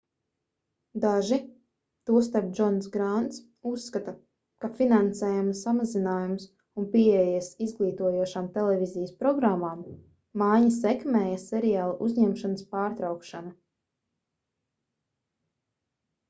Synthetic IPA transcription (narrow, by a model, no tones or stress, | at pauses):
d̪aʒi | t̪uɔst̪aɾp̚d͡ʒɔnsɡɾant̪s | usːkat̪a | kafinansɛːjumsamazinaːjums | unpieɛjɛsizɡlˠiːt̪uɔjuɔʃaːmt̪ɛlɛvʲizijəspɾɔɡɾamːaːmː | ajɲɐsɛkmɛːjasɛɾijaːlˠaʔuzʲɲɛmʃanəspaːɾt̪ɾawkʃana